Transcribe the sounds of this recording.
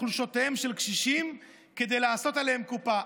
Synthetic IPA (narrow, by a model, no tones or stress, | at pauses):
luʃot̪ehemʃelkʃiʃim | ked̪e̞jlaːso̞t̪ale̞hemkupa